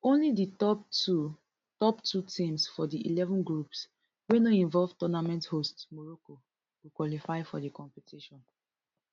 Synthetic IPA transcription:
õnliditɔptu | tɔptʰutʰĩmsfɔdiḭlɛvɔ̃nɡɹups | wenoĩɱvɔlvtɔnamɛ̃nthostsmɔɹoko | wukwɔlifaɪfɔdikɔ̃mpitʰiʃɔ̃n

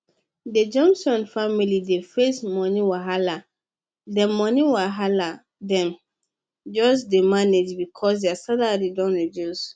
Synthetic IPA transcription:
ded͡ʒɔ̃msɔ̃nfamilidefesmɔ̃nĩwaɦala | dɛmɔ̃nĩwaɦala | dɛ̃m | d͡ʒɔs̬demaned͡ʒbikʰɔs̬deasaladidɔ̃nɹidjus

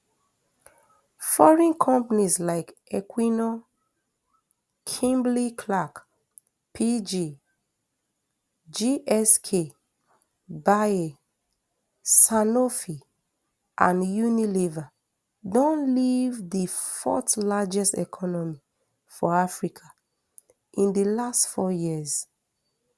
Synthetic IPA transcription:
fɔɹĩnkʰɔ̃mpanislaɪkɛkʰwinɔ | kʰĩmblikʰlak | pʰid͡ʒi | d͡ʒiʔɛskʰe | bae | sanofi | ʔãnjuniliva | dɔ̃nlivdifɔ̰tlad͡ʒɛstɛ̰kʰɔnɔmi | fɔafɹikʰa | ĩndəlastfɔjiəz̥

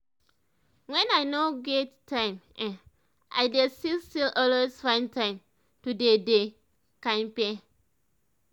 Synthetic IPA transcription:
wɛ̃najnoɡɛttʰːãɪ̃mɛ̃n | ʔa̰jdestilstilʔɔlwesfãj̃ntʰãɪ̃m | tudede | kãmpẽn

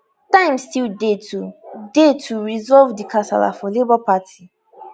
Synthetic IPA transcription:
tãɪ̃mstildetudetʰuɹizɔlvdikʰasa̰la̰fɔlebɔpatʰi

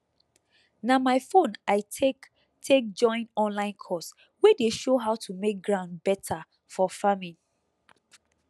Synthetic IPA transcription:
namaɪfõnaɪ | tʰek̚d͡ʒɔ̃ɪ̃nɔ̃nlãɪ̃nkʰɔs | wedeʃoɦaʊtʰumek̚ɡɹãʊ̃ndbɛtʰa | fɔfamĩ

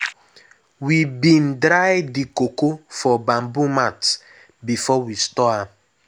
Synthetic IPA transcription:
wibin̩dɾaɪdikokofɔbam̩bumat | bifɔwistɔa

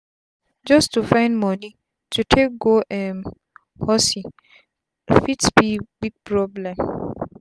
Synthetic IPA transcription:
d͡ʒɔstufãɪ̃ndmɔni | tʰutʰek̚ɡoʔɛm | hɔsi | fitsbibiɡ̚pʰɹɔblɛ̃m

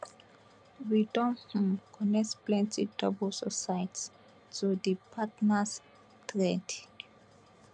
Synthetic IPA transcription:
widɔ̃nhũmkʰɔnɛksplɛ̃ntidɔbɔlsɔsajt | todipʰatnas | tɹɛd

